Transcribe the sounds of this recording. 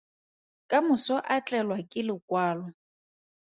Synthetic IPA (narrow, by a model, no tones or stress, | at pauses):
kʼamʊsɔʔat͡ɬʼɛlwakʼɪlɪkʼwaːlɔ